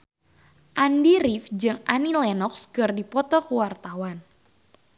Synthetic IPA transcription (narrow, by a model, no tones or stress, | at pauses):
ʔandiɾifd͡ʒɨŋanilɛnɔkskɨrdipɔt̪ɔkuwart̪awan